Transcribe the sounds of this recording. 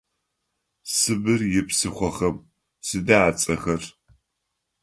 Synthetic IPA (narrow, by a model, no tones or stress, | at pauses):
sɨbɨrjɪpsɨχʷɔχɐm | sɨdaat͡sʼɐxɐr